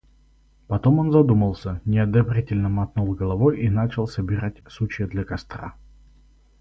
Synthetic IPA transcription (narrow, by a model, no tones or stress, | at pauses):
pɐt̪omonzɐd̪uməlˠsʲənʲɪɐd̪ɐbɾʲitʲɪlʲnəmɐt̪nulˠɡəlˠɐvojinat͡ɕɪlˠsəbʲɪɾatʲsut͡ɕɪəd̪lʲɐkɐst̪ra̰